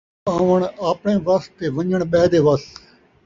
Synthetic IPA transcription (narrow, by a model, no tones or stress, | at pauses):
ãːʋəɳaːpɳẽːʋəst̪eːʋə̃ɲd͡ʒəɳɓɛːd̪eːʋəs